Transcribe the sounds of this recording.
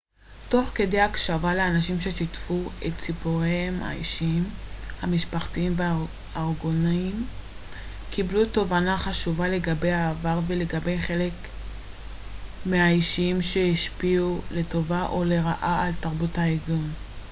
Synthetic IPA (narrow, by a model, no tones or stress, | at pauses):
to̞χke̞dejakʃavaleanaʃimʃe̞ʃitfuett͡sipoʁehema̰ḭʃiimhamiʃpaχtiimvea | aʁɡonaim | kʰibluto̞vanaχaʃuvale̞ɡabe̞jaːvaʁve̞le̞ɡabe̞jχe̞le̞k | mehaiʃiimʃe̞hiʃpiule̞to̞vaʔo̞le̞ʁaʔaaltaʁbuthaiɡin